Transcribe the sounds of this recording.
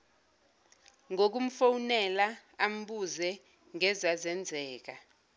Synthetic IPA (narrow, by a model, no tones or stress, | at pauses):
ŋok̬um̩fowunɛlaam̩ɓuzɛ | ŋɛzazɛnd͡zʱɛːk̬a